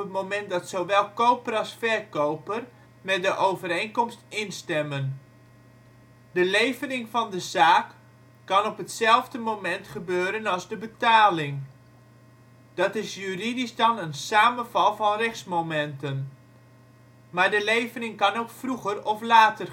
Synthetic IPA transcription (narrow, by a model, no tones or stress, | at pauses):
ətmomɛntdɑtsowʋɛlˠkowpəɾɑlˠsfɛrkowpər | mɛt̚dəʔowvəɾejnkɔmstɪnstɛmən | dəlejvənɪŋvɑndəzaːkː | ɑnɔpətsɛlˠvdəmowmɛntχəbøːɾənɑlˠzdəbətaːlɪŋ | d̥ɑtɪsjyridisdɑnənsaːmənvɑlˠvɑnrɛxsmomɛntən | maːɹdəlejvənɪŋkɑnowkfruχərɔflaːtər